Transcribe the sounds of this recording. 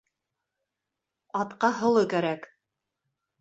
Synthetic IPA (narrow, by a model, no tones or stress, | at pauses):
ɑt̪qɑɦɤ̆lˠɤkæɾæk